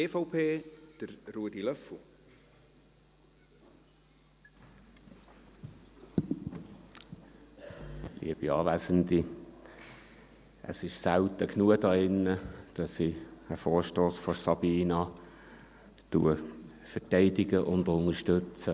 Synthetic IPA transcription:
eːfoʊpʰeːd̥əɾruːdilœfl̩ | lḭəb̥iɑ̰ːvæːsəndi | ʔə̰sɪʃsaʊt̪əknuədɑːɪnːəd̥ɑsiəfoːɹʃtoːsfɔsɑb̥iːnɑ | tuə | fətɛɪdɪɡəʔʊndʊnəʃtøt͡sə

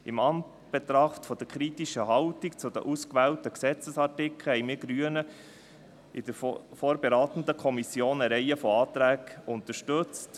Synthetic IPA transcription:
ɪmɑn | b̥ɛt̪ɾɑχt̪fɔd̥̪əɾkʰɾitiʃəɦɑltikt͡sʊd̪ə̰ʔuskʋæːltəksɛt͡səsɑtɪkʰl̩hɛɪjmiːɾɡɾyənə | ɪd̥̪əɾfoːɾbeɾɑːt̪ən̩d̪əkʰɔmisjoːnəɾɛɪəfɔɑːt̪ɾæːɡʊnt̪əʃtɵt͡st

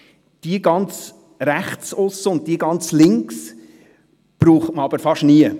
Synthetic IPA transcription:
d̥iəɡɑnt͡s | ɾæχt͡sʊsːəʊnt̚d̥iːəɡɑnt͡slɪŋks | b̥ɾuːχtməɑb̥əɾfɑʃniə

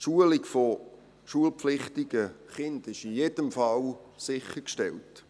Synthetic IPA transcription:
ʃuəliɡfo | ʃuəlpflɪχtɪɡ̥əχɪndɪʃijedəmfɑlsɪχəkʃtɛlt

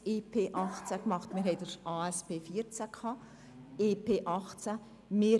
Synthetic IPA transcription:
eːpʰeːʔɑχt͡sakmɑχtmɪɾɦɛɪdəɾaːɛspeːfiəɾt͡səkʰhɑː | eːpʰeːʔɑχt͡sə | mɪ

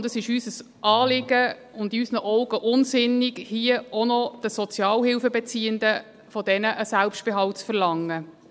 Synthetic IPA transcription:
ndəsɪʃysəs | ʔɑːlɪɡə | ʊndiysnəʔɔʊɡəʔʊnsɪnːɪɡhiəonɔd̥əsɔt͡sjɑːlɦɪlfəbɛt͡siːənd̪ə | fɔd̥ɛnəʔəsælpʃt̚b̥eɦɑlt͡sfərlɑŋːə

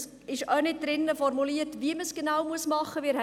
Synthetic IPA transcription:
s | ɪʃœnɪt̚d̥ɾɪnːəfɔɾmuliətviəməsɡ̥enaʊwmuəsmɑχːəʋiːɾh

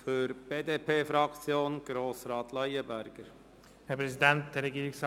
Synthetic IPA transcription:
fyɾb̥eːdeːpʰeːfɾɑkt͡sjoːnɡ̥ɾoːsɾɑːt̪ʰlɑjəbæɾɡ̥əɾ | hɛpʰɾɛsidɛnt̚d̥̪ɛɾɛɡiːɾɪŋs

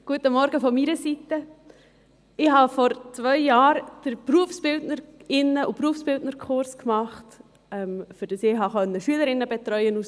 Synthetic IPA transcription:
ɡ̥uətəmɔɾɡəfɔmiɾəsitə | ɪɦɑfɔɾt͡svœʏjaːɾd̥əɾpɾuəfsb̥ɪltnəɾɪnːəʔupɾuəfsb̥ɪldnəɾkʰχʊɾskmɑχt | ɛmfʏɾd̥ɑsɪɦɑχœnːəʃyələɾɪnːəbɛt̪ɾœʏənus

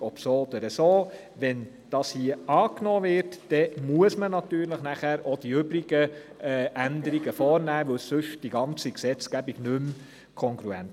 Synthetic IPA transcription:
ɔpsoːɔd̪əɾəsoː | ʋɛn | d̥ɑːshiəɑːknoːvɪɾtd̥ɛmuəsmənɑt̪yːɾləχnæχæːɾod̥iʏbɾiɡ̥ə | ʔænd̪əɾiɡəfɔːɾnæːʋɵwssɵʃd̥iɡɑnt͡siksɛt͡skæbiɡ̥nʉm | kʰɔŋɡɾuɛ̰nt

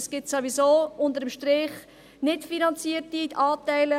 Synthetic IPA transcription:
sɡ̥ɪtsovisoːʊntəɾəmʃtɾɪχ | nɪtfinɑnt͡siəɾtiɑːtæɪlə

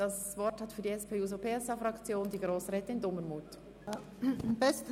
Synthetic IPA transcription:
d̥ɑs | vɔɾthɑtfyːɐdiɛspʰeːuːzopʰeːɛsaːfɾɑkt͡sjoːndiːɡɾoːsɾɛːtəɪndɔmənmuːtː | mbɛst

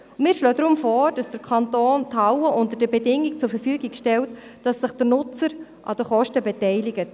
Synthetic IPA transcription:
mɪːɾʃlɔːdɾʊmfɔːɾd̥ɑsd̥əɾkʰɑntoːntʰɑwəʔʊntəɾdəbɛdɪŋɪkt͡sʊɾfəɾfyːɡɪɡʃtɛlt | d̥ɑsːɪχd̥ənʊt͡səɾʔɑ̰d̥əχɔʃtəbɛtɛɪlɪɡət

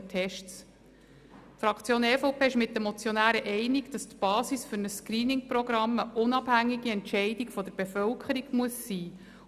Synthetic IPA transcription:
tʰɛʃts | tfɾɑkʰt͡sjoːnɛfoʊpʰeːɪʃmɪt̚dəmɔt͡sjɔnæːɾəʔɛɪnɪɡd̥ɑst̪b̥ɑːsisfʏɾnəsːkɾiːnɪŋpɾɔɡɾɑməʔʊnɑb̥hæŋːiɡiɛntʃɛɪdiɡfɔd̪əɾb̥efœlkʰəɾiɡmuəsːiː

